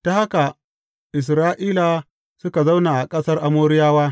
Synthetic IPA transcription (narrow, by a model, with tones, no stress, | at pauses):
d̥a˨ha˦ka˨ | ʔɪ˨s̬ɾaː˦ʔiː˦la˨ | sʊ˦ka˨za˦wnaː˨ʔa˨kʼɐ˦sɐ˦rʔa˨moː˦ɾɪ˦jaː˦waː˦